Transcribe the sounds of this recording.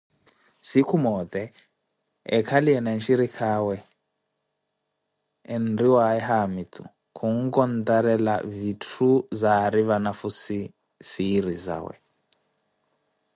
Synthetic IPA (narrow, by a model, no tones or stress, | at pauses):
sikʰumɔt̪ɛ | ɛ̰kʰaliɛnanʃiɾikʰawɛ | nriwaɛɦamit̪ṵ | kʰuŋ̩kɔn̩t̪aɾɛla̰vitʰuzaɾiβanafusi | siɾiza̰ːwɛ̰